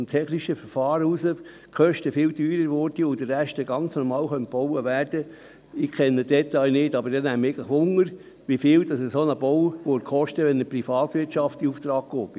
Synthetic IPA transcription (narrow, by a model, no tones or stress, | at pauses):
mtʰɛχniʃəfəɾfɑːɾəusə | kʰœʃtəfɪːltyːɾəɾʋɔɾd̥iʊd̥əræʃtəɡɑnt͡snɔɾmɑːlχœnt̚b̥ɔwəʋærd̥ə | ɪkʰɛnːəd̥ɛt̪ːɑjnɪdɑbəɾd̥ɛnæməeɪɡləχʋʊŋəɾ | ʋifɪːld̥ɑsəsonəbɔwʋoɾkχɔʃtəʋɛnəprifɑːt̪ʋɪtʃɑftiuft̪ɾɑːk̚ɡ̥oːb̥ɪ